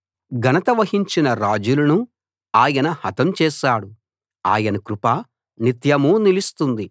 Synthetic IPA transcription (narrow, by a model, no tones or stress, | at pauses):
ɡɐnɐt̪ɐʋɐɦiɲt͡ʃinɐɾaːd͡ʒulunu | aːjɐnɐhɐt̪ɐmt͡ʃɛːʃaːɽu | a̰ːjɐnɐkɾupaː | nit̪jɐmuːnilist̪und̪i